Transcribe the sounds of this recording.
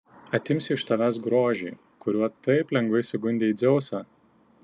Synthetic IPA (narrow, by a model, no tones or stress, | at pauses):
ɐt̪ʲɪmʲsʲɪɪʃt̪ɐʋʲæs̬ɡɾoːʒʲɛː | kʊɾʲuɔt̪ɐɪplʲɛŋɡʋɐɪsʲʊɡʊnʲd̪ʲeːid̪zʲɛʊsɑː